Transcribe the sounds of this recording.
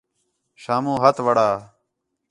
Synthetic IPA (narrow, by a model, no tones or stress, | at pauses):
ʃaːmũːɦɐt̪ʋəɽaː